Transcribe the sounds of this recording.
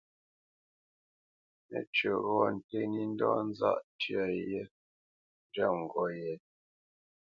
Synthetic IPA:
nɛ̰˨t͡ʃə˨ɣɔ˦˨n̩˨te˦ni˦n̩˦dɔ˦n̩˦za̰˦˨ʔtɥa˨jɛ˦ | n˦d͡ʒə˦˨ŋ̩˨ɡɔ˦jɛ˨

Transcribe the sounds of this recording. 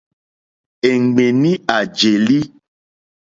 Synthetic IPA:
e˨ŋɡ͡bẽ˨nĩ˦a˨d͡ʒe˨li˦

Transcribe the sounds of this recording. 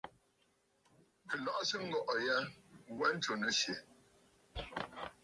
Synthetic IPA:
kə˨lɔ˨ʔsə˦ŋ̩˦ɡɔ˦ʔɔ˨ja˦wɛ˦n̩˦to˨nə˨ʃje˨

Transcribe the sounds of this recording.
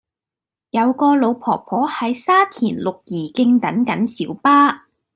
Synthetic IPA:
jɐ˨˧wkɔː˧lo˨˧wpʰɔː˨˩pʰɔː˨˥hɐ˨˧jsaː˥t̪ʰiː˨˩nlʊ˨k̚jiː˨˩kɪ˧ŋt̪ɐ˨˥nkɐ˨˥nsiː˨˥wpaː˥

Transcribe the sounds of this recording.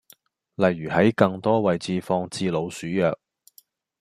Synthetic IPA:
lɐ˨jːyː˨˩hɐ˨˥jkɐ˧ŋt̪ɔː˥wɐ˨jt͡siː˨˧fɔː˧ŋt͡siː˧lo˨˧wsyː˨˥jœː˨k̚

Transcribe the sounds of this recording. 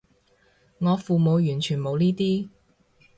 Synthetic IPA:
ŋɔː˨˧fuː˨mo˨˧wjyː˨˩nt͡ʃʰyː˨˩nmo˨˧wniː˥t̪iː˥

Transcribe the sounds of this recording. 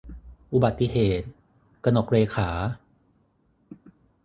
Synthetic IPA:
ʔu˨˩ba˨˩t̪ːi˧ɦeː˨˩t̪̚ | ka˧no˨˩k̚ɾeː˧kʰaː˩˦

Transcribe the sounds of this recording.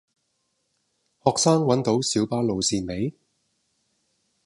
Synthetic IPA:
hɔː˨ksaː˥ŋwɐ˨˥nt̪o˨˥wsiː˨˥wpaː˥lo˨wsiː˨nme˨˥j

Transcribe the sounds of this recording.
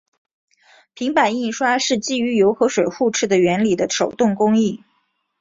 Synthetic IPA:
pʰi˧˥ŋpa˨˩ni˥˩ʂwa˥ʂɻ̩˥˧t͡ɕi˥˩y˧˥jo˧˥ʊxɤ˧˥ʂwe˨˩ɪxu˥˧ʈ͡ʂʰɻ̩˥˩d̪ə˩ɥɛ˧˥nli˨˩d̪ə˦ʈ͡ʂʰo˨˩ʊt̪ʊ˥˩ŋkʊ˥ŋi˥˩

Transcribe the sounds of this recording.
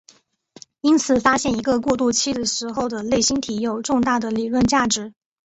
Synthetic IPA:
i˥nt͡sʰɹ̩˨˩fa˥ɕjɛ˥˩ni˧˥ɡə˧kwɔ˥˧t̪u˥˩t͡ɕʰi˥d̪ə˨ʂɻ̩˧˥xo˥˩ʊd̪ə˩le˥˩ɪɕi˥nt̪ʰi˧˥jo˨˩ʊʈ͡ʂʊ˥˧ŋt̪a˥˩d̪ə˩li˨˩lwə˥˧nt͡ɕja˥˩ʈ͡ʂɻ̩˧˥

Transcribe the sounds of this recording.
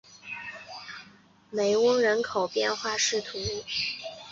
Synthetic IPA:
me˨˩ɪʊ˥ŋɻə˧˥nkʰo˨˩ʊpjɛ˥˧nxwa˥˧ʂɻ̩˥˩t̪ʰu˧˥

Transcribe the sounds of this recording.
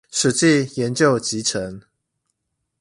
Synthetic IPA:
ʂɻ̩˨˩t͡ɕi˥˨jɛ˨˦nt͡ɕjo˥˨ʊt͡ɕi˨˥ʈ͡ʂʰə˨˧˦ŋ

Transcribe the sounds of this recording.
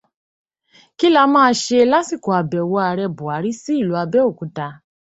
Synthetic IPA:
ki˦la˦mãː˦˧˦ʃe˧la˦ti˦˨ko˨a˨bɛ˨wɔ˧a˧ɾɛ˧bu˨a˨˦ɾi˦si˦i˦˨lu˨˧˦a˧bɛ˦o˦˨kũ˨˦ta˧

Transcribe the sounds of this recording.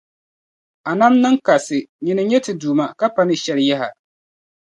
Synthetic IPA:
a˨na˦mnɨ˦ŋka˨sɨ˨ɲɪ˨nɨ˨ɲɛ˦tɨ˨duː˨ma˦ka˦pa˦nɨ˨ʃɛ˨lja˦ɦa˨

